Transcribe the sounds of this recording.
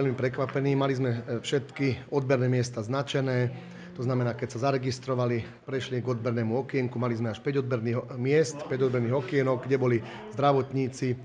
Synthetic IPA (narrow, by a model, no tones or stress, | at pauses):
ɛʎmipɾɛkʋapɛniːmalizmɛfʃɛt̪kiɔd̪̚bɛɾnɛːmɪɛst̪aznat͡ʃɛnɛː | t̪ɔznamɛnaːkɛcsazaɾɛɡist̪ɾɔʋali | pɾɛʃliɡɔd̪̚bɛɾnɛːmuɔkɪɛŋkumalizmɛaʃpɛɟɔd̪bɛɾniːɦmɪɛst̪pɛɟɔd̪̚bɛɾniːɦɔkɪɛnɔɡ̚ɡɟɛbɔli | zd̪ɾaʋɔt̪ɲiːt͡si